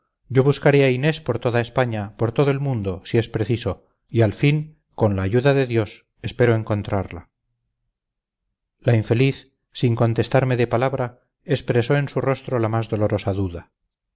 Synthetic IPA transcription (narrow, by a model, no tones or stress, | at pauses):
ɟ͡ʝo̞βuskaɾeaine̞spo̞ɾt̪o̞ðaespaɲapoɾt̪o̞ðoelmũnd̪o̞siespɾe̞θiso̞ | ialfiŋ | ko̞nlaːʝuðaðe̞ðjo̞s | e̞spe̞ɾoeŋko̞nt̪ɾaɾla̰ | laiɱfe̞liθː | iŋko̞nt̪e̞st̪aɾme̞ðe̞palaβɾa | espɾe̞so̞ẽ̞nsuro̞st̪ɾo̞lamazðo̞loɾo̞saðuða